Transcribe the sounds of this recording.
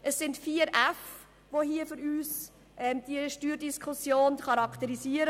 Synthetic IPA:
ʔəsːɪntfiəɾæf | ʋoɦiːəfʏɾyːs | ʔɛːmd̪̥iəʃtyːɾdiskʰusjoːnχɑɾɑkt̪əɾisiəɾə

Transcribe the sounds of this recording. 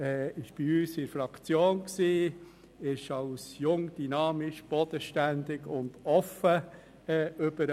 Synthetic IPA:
ɛɪʃb̥iyːsɪɾfɾɑkt͡sjoːnksiː | ɪʃɑwsjʊŋd̪̥ynɑːmɪʃb̥ɔd̥əʃtænd̪ɪɡʊnd̥̪ɔfə | ɛːʏb̥əɾ

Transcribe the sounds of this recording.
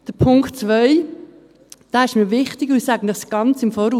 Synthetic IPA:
d̥əpʰʊŋktt͡sʋœʏ | d̥aːɪʃmiʋɪχtɪɡʊsæɡənəχsɡ̥ɑnt͡sɪmfɔːɾuː

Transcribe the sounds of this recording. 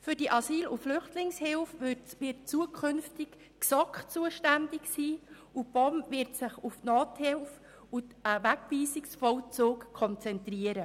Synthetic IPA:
fʏɾdiəʔɑsiːlʊflʏχtlɪŋshɪlfʋɪrt̚t͡suəkʰʏnftɪk | ksɔkχt͡suəʃtændɪksiː | ub̥ɔmvɪɾtsɪχufnoːthɪlf | ʊtʋækviːsɪksfɔlt͡suːkkʰɔnt͡sɛntriəɾə

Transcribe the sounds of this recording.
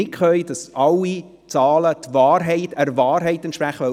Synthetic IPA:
ɪkχœjd̥ɑsʔɑlːi | t͡sɑːlət̪vɑːrɦɛɪtɛɾvɑːɾɦɛɪtɛntʃpɾæχəɛ

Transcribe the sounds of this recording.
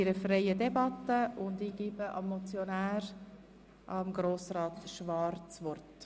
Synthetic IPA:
ɪɾəfɾejədɛbɑt̪ːəʊnd̪iːɡ̥iːbəʔɑ̰mːɔt͡sjɔnæːɾ | ʔɑmɡɾoːsɾɑːt̪ʃʋɑɾt͡sʋɔrt

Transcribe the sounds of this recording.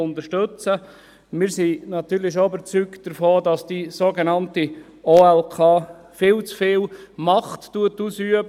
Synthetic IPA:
ʊndəʃtɵt͡sə | mɪːɾsinɑt̪yːɾlɪʃ̬oybəɾt͡sykt̚d̥əɾfoːdɑsd̥isoːɡenɑnti | oːɛlkʰɑː | fɪːlt͡sfɪːlmɑχtːuətuːsyəb

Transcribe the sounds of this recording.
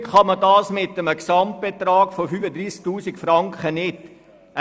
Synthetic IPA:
kχɑmədɑːsmɪtːəməksɑmt̚b̥et̪rɑːɡ̥fofyːfəd̪ɾiːsk̚tuːsikfrɑŋkχənɪt

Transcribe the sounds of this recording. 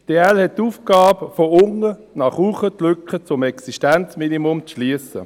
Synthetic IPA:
d̥eːɛlhɛt̚tuːfɡ̥ɑːbfoʊŋənɑχhuːχətlʏkχət͡sʊmɛksiʃtɛnt͡sminimʊmt͡sʃliəsə̰

